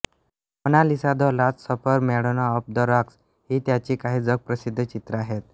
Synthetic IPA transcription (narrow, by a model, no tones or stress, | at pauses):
ənalisad̪ʱɔlat͡ssəpəɾmɛɽənaəp̚d̪əɾaks | ɦiːt̪jat͡ɕiːkaɦiːd͡zəɡ̚pɾəsid̪ʱːət͡ɕit̪ɾəaɦet̪̚